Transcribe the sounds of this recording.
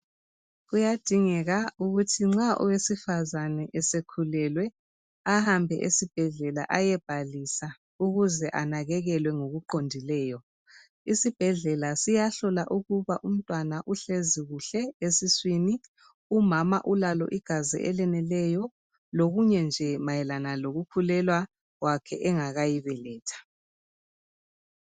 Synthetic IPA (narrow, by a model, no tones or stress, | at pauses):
ɣujad̥ʱiŋɛɣauɣutʰiŋ͡ǁaʔɔ̰wesifazanɛʔɛsekʰulɛlwɛ | ahambʱɛʔesib̥ʱɛɮɛla̰ʔajɛb̥ʱalisa | uɣuzɛʔanaɣɛɣɛlwɛŋoɣuǃondʱilɛːjɔ | isib̥ʱɛɮɛlasijaɬɔlaʔuɣuβaʔum̩tʼwanaʔuɬeziɣuɬɛesiswini | umama̰ʔulalɔ̰ʔiɡ̥ʱazḭʔɛlɛnɛlɛjɔ | loɣuɲɛnd͡ʒʱɛmajɛlanaloɣukʰulɛlwa | ɣwakʰɛʔɛŋaɣajiβɛlɛːtʰḁ